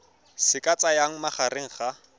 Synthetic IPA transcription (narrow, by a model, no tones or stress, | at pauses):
sɪkʼat͡sʼajaŋ̩maχaɾɪŋ̩χa